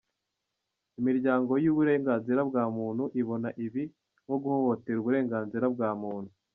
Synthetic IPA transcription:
imiɾɟaːŋɡo̞juβuɾe̞ːŋɡaːnziɾabɡaːmuːn̥huʔiβo̞naʔiβi | ŋo̞ɡuhohote̞ɾuβuɾe̞ːŋɡaːnziɾab̚ɡaːmuːn̥hu

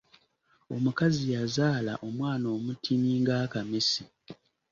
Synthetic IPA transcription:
o̞mukazijazaːlaʔo̞mwaːno̞ːmutʰimiŋɡaːkamesi

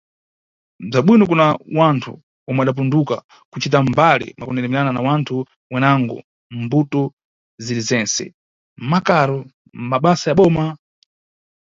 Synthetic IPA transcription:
b͡ʐaɓwinɔk̬unawantʰṵ | wɔmɛaɗap̬unduka̰ | kut͡ʃit̬ambalḭmakunɛɾɛmɛɾananawantʰu | wɛnaŋɡɔ̰ | mbutɔ | ziɾizɛnsɛ̰ | m̩makaɾɔ | maɓasajaɓɔːma

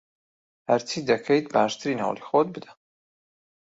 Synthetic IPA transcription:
hɐɾt͡sʰiːd̪ɐkʰejt̪̚baːʃt̪ʰɨɾina̰ːwlixot̪̚bɨd̪ɐ̥

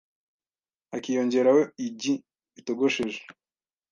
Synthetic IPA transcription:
akijo̞ɲɟe̞ɾawoiɟi | ito̞ɡo̞ʃeʒe̥

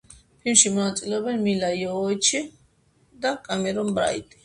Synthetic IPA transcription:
pʰilmʃimɔnat̪sʼilɛɔbɛnmilajɔːjt͡ʃʰi | d̪akʼamɛɾɔnbɾa̰jt̪ʼi̥

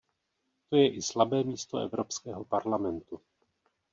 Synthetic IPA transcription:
t̪o̞jɛʔɪslabɛːmiːst̪o̞ɛ̰vɾo̞pskɛːɦo̞paɾlamɛnt̪u

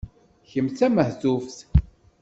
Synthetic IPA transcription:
çəmt͡sæməhθufθ

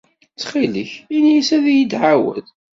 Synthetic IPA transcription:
t͡sːχiləçinjəsæðjid̪ʕawə̰ð

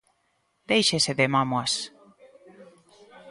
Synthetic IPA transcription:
d̪̥ejʃeseðemamoas

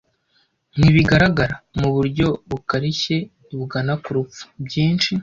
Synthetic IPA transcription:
n̥hiβiɡaɾaɡaɾamuβuɾɟo̞βukaɾiçe̞ | iβuɡanakuɾup͡fu̥bɟiːnt͡ʃi

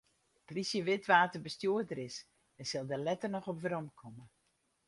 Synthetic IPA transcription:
plisjəʋɪtʋaːtərbəstjuədəɾɪs | ɛnsɪlˠdəlɛtərnɔxɔpʋɾɔmkʰɔmə

